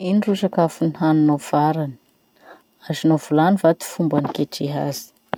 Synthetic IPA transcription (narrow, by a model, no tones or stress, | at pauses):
inirusakafuniɦanunov̥aɾani̥ | azinovulanivat̪i̥fumbanikeʈ͡ʂiɦazi̥